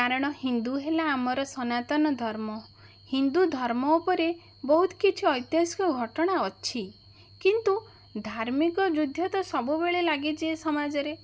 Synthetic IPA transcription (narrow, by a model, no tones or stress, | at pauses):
kaɾɔɽ̃ɔhind̪uɦelaːmɔɾɔsɔnat̪ɔnɔd̪ʱɔɾmɔ | hind̪ud̪ʱɔɾmɔupɔɾe | bɔɦut̪ʰɔ̥kit͡ʃʰiɔjt̪jaskɔɡʱɔʈɔɽ̃aɔt͡ʃʰi | kint̪u | d̪ʱaɾmikɔd͡ʒud̪ʱːjɔt̪ɔsɔbubeɭelaɡid͡ʒiesɔmad͡ʒɔɾe